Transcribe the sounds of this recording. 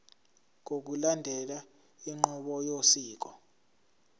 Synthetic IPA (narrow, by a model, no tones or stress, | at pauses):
ŋʱok̬ulandʱɛla | iŋ͡ǃɔɓɔjosiːk̬ɔ